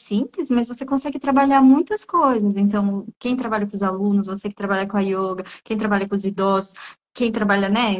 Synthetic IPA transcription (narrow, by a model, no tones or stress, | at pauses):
sĩplɪsmɐzvosekõsɛɡɪt̪ɾabaʎaɾmũj̃t̪ɐskojzɐsẽnt̪ɐ̃w̃kẽj̃t̪ɾabaʎɐkõzalũnʊsvosekɪt̪ɾabaʎaɾkõɐjoɡɐkẽj̃t̪ɾabaʎɐkõʊzid̪ɔzʊs | kẽj̃t̪ɾabaʎɐnɛ